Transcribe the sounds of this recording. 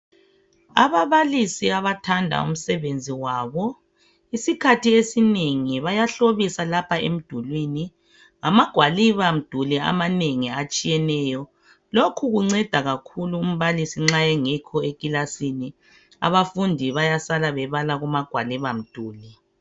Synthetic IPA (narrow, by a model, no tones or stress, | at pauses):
a̰βaβalisiaβatʰandʱa̰ṵm̩sɛβend͡zʱiwaːβɔ | isikʰatʰiesineŋiβajaɬoβisalapʰaḛm̩d̥ʱulwini | ŋamaɡ̥ʱwaliβam̩d̥ʱulia̰maneŋiat͡ʃʼijɛnɛːjɔ | lokʰuɣuŋ͡ǀɛd̥ʱaɣakʰuluːm̩βalisiŋ͡ǁajɛŋikʰɔekilasini | a̰βafundʱiβajasalaβɛβalaɣumaɡ̥ʱwaliβam̩d̥ʱuːli